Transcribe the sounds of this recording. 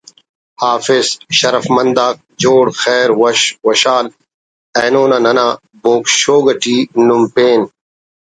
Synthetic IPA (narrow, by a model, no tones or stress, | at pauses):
haːfizʃɐɾɐfmɐnd̪aːk̚d͡ʑoːɽxɛːɾwɐɕwɐɕaːl | eːnoːnanɐnaː | boːkʃoːɡɐʈiːnumpeːn